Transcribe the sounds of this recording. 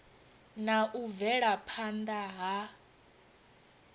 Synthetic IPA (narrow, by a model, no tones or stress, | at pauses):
naʔuvɛɺapʰand̪aɦa